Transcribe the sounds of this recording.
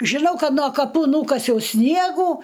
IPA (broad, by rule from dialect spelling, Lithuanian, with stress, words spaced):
ʒʲɪˈnɐʊ ˈkɐt noː kɐˈpuː ˈnuːkɐsʲɛʊ ˈsʲnʲiɛɡuː